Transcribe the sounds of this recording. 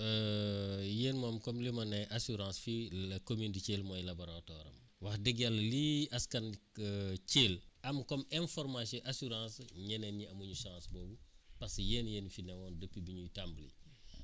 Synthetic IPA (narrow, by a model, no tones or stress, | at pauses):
ə | jeːnmɔmkɔmlimɐnɛʔasuɾãːsfikomindiceːlmɔːjlabɔɾatɔɾɐ̰m | wɐxdɛɡjalːɐliɐskɐn | ceːlɐmkɔmɛ̃nfɔrmasɔʔasuɾãːsɲɛnɛniɐmuɲuʃãːsbɔːbupɐsjeːnjeːnfinɛwɔːndəpːibiɲutamblḭ